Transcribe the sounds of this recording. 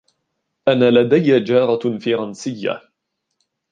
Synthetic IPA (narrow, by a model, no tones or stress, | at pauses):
ʔanːaːlad̪ajːad͡ʒɑːɾˤɑfɑɾˤɑnsɪjːa̰